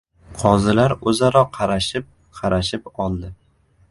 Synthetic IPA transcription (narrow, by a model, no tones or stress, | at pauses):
qʰɒzɪlaɾɵzaɾɒqʰɑɾaʃɪp̚ | qʰɑɾʔaʃɪpɒlˠd̪ɪ